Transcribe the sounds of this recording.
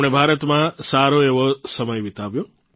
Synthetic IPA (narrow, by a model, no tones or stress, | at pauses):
ɽ̃ebʱaɾət̪mãsaɾoeʋosəməjʋit̪aʋjõ